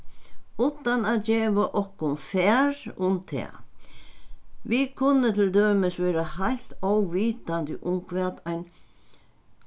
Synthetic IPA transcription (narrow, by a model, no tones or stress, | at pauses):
ut̪anaðd͡ʑɛːʋaʔɔhkʊnfɛːɹʊmt̪ʰɛ̰ː | ʋɪkʰʊnːət̪ʰɪld̪øːmɪsʋɛːɾahajl̥t̪ɔwʋiːt̪ant̪ɪʔʊmkʰvɛːt̪ajn